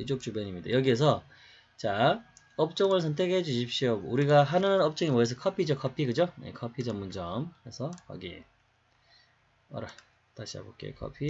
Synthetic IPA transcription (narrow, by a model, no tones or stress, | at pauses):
id͡ʑok̚t͡ɕ͈ubʌɲimɲida̰jʌɡie̞s̬ʰʌ | t͡ɕa | ʌp̚t͡ɕ͈oŋɯɭs̬ʰʌntʰe̞kʰed͡ʑuɕʰip̚ɕ͈ijouɾiɡaɦanɯnʌp̚t͡ɕ͈oŋimʌes̬ʰʌkʰʌpʰid͡ʑokʰʌpʰiɡɯd͡ʑojḛkʰʌpʰid͡ʑʌmːund͡ʑʌmesʰʌʌ̰ɡḭ | ʌ̰ɾa | t͈a̰ɕʰia̰ɡok͈ḛkʰʌ̰pʰi